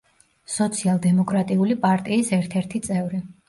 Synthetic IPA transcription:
sɔt̪sʰialˠd̪ɛmɔkʼɾat̪ʼiulipʼaɾt̪ʼiːsɛɾt̪ʰɛɾt̪ʰit̪sʼɛvɾi

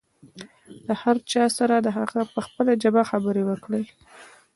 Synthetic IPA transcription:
d̪əhaɾt͡ʃɑsaɾad̪əɦaɣapəxpəlad͡ʒabaxabəɾewəkɽe

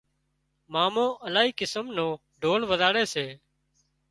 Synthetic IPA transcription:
maːmõːʔəlaːɦiːkɪsəmnõː | ɖʱoːlʋəzaːɽeːseː

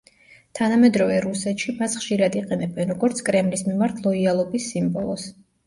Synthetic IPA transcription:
t̪ʰanamɛd̪ɾɔvɛɾusɛt̪ʃimasχʃiɾad̪iqʼɛnɛbɛnɾɔɡɔɾt̪sʰkʼɾɛmlismimaɾt̪ʰlˠɔialˠɔbisːimbɔlˠɔ̰s

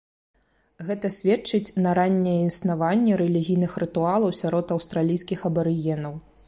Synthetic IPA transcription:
ɣɛt̪ɐsʲvʲɛt͡ʂɨt͡sʲnɐɾanʲːɛjɛinsnavanʲːɛɾɛlʲiɣʲijnɨxrɨt̪ualˠɐwsʲaɾɔt̪ɐwst̪ɾalʲijskʲixɐbɐɾɨjɛnɐw

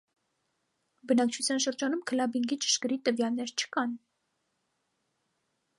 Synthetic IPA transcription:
bənɑkt͡ʃʰut͡sʰjɑnʃəɾd͡ʒɑnumkʰəlɑbiŋɡit͡ʃə̥ʃkəɾit̪əvjɑlnɛɾt͡ʃʰə̥kɑn

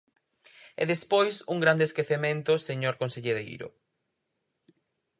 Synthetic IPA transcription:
ḛðespojsuŋɡɾand̪eskeθemẽnt̪ʊseɲoɾkonseʎeðḛjɾʊ̰

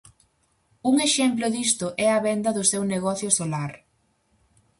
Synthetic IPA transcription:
uŋeʃemplʊðist̪ʊʔɛɐβɛnd̪ɐðʊsewneɣɔθjʊsolaɾ

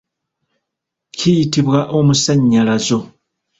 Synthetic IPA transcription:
cʰijitiβwaʔo̞musaɲːalazo̞

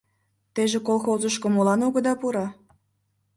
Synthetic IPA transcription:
t̪eʒekolˠxozəʃkomolɑnoɣə̆d̪ɑpuɾɑ

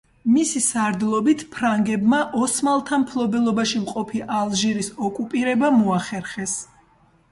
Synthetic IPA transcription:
misisaɾd̪lˠɔbit̪ʰpʰɾaŋɡɛbmaʔɔsmalˠt̪ʰampʰlˠɔbɛlˠɔbaʃimqʼɔpʰiʔalˠʒiɾisɔkʼupʼiɾɛbamɔaχɛɾχɛs

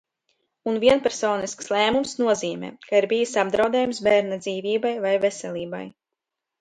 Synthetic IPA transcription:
unviɛnpɛɾsoːniskslˠæːmumsnuɔziːmɛ̰ːkaiɾbijisʲabd̪ɾawd̪ɛːjumsbæːɾnad̪ziːviːbajvajvesɛlʲiːba̰j

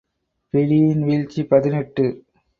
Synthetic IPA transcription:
pɪɽijɪnʋiɻt͡ʃːipɐðɪnɛʈːɯ

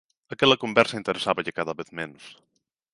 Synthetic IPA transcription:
ɐkɛlɐkombɛɾsəint̪eɾesaβɐʎɪkaðɐβeθmɛnus

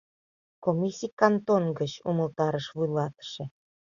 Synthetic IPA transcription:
komʲisʲijkɑnt̪onɡət͡ɕuməlt̪ɑɾəʃβujlɑt̪ə̥ʃĕ

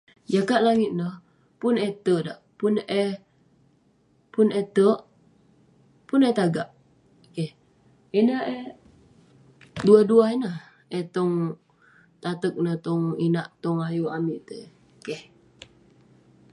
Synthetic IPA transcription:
d͡ʒakat̪̚laŋit̪̚nəh | pʊnet̪ədaʔpunʔɛ | punet̪əʔ | punɛt̪aɡaʔ | keh | enəʔɛ | duaduainəh | ʔɛt̪ɔŋ | t̪at̪ək̚nəht̪ɔŋinaʔt̪ɔŋajuamiʔt̪ə | keh

